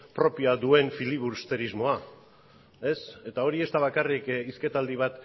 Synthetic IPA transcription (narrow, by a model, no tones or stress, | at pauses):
pɾo̞piaðue̞nfiliβuɾst̪e̞ɾizmo̞a | e̞se̞t̪ao̞ɾie̞st̪aβ̞akarikiske̞t̪ald̪iβ̞at̪